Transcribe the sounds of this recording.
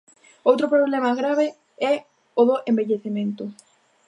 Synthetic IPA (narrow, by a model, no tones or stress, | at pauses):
owt̪ɾʊpɾoβlɛmaɣɾaβɪ | ɛ | ʊðʊʔẽmbeʎeθimẽnt̪ʊ